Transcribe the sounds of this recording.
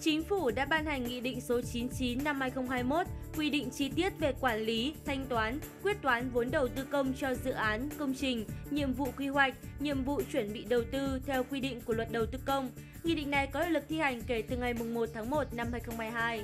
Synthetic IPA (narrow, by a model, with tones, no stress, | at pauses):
t͡ɕi˨˦ŋ̟fu˧˩ɗa̰ː˧˥ɓaː˧nha˨˩jŋ̟ːḭ˧˨ɗḭ̈˧˨ŋ̟so˨˦t͡ɕi˨˦nt͡ɕi˨˦nːa˧mhaː˧jxə˧wŋ͡mɦaː˧jmo˦˥t̚kwi˧ɗḭ˧˨ŋ̟t͡ɕi˧t̪i˦˥ət̚ve˨˩kwaː˧˩nli˨˦t̪ʰa˧jŋ̟t̪waː˨˦n | kwi˦˥ət̚t̪waː˨˦nvo˨˦nɗə˨˩wt̪ɨ˧kə˧wŋ͡mt͡ɕɔ˧zɨ̰˧˨ʔaː˨˦nkə˧wŋ͡mt͡ɕï˨˩ŋ̟ɲḭ˧˨əmvṵ˧˨kwi˧ɦwa˨˩jk̟̚ɲḭ˧˨əmvṵ˧˨t͡ɕwə˧˩nɓḭ˧˨ɗə˨˩wt̪ɨ˧t̪ʰɛ˧wkwi˧ɗḭ̈˧˨ŋ̟ku˧˩əlwə˨˩t̚ɗə˨˩wt̪ɨ˧kə˧wŋ͡m | ŋḭ˧˨ɗḭ˧˨ŋ̟na˨˩jkɔ˨˦lo̰˧˨lɨ˨˩k̚t̪ʰi˧ha˨˩jŋ̟ke˧˩t̪ɨ˨˩ŋa˨˩jmʊ˨˩ŋ͡mmo˨˩t̚t̪ʰaː˨˦ŋmo˨˩t̚na˧mhaː˧jxə˧wŋ͡mhaː˧jɦaː˧j